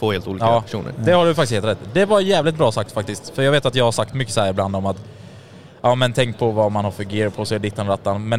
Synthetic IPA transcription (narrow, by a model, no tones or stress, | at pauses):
foːheːlt̪uːlikɑːɛʂṵːnə̰ɾd̪ɛhaɖɵfakt̪ɪsheːlt̪ɾɛt̪ːd̪ɛvaɾjæːvlɪt̪̚bɾɑːsakt̪fak̚t̪ɪst̪fœɾjɑɡveːt̪at̪jɑːɡhaɾʂak̚t̪mʏkːə̥shæːɾɪbland̪ɔmat̪ | ʔɑːmɛnt̪ʰɛŋk̚pʰɔvamanhaɾfœɾɡeːɾpʰɔsɔɛd̪ɪt̪ːanɾat̪ːanmɛn